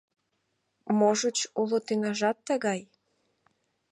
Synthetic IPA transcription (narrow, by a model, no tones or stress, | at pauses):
moʒət͡ɕulot̪ynɑʒɑt̪ːəɣɑj